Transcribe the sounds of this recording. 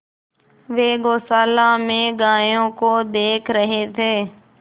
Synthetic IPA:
ʋeːɡoːsaːlaːmẽːɡaːjõːkoːd̪eːkʰɾəɦeːt̪ʰeː

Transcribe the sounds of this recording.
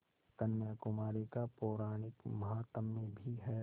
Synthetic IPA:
kɐnːakʊmaːɾikapoːɾaːnɪk̪mɐɦaːt̪əmːẽbʱiɦɛː

